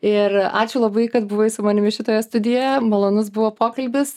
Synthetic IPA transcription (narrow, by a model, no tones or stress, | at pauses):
ɪrɑːt͡ʃʲʊlˠɐbɐɪkɐt̪bʊʋɐɪsʊmɐːnʲɪmʲɪʃʲɪt̪oːjɛst̪ʊd̪ʲɪjɛmɐlˠoːnʊsbʊʋoːpoːkɐlʲbʲɪs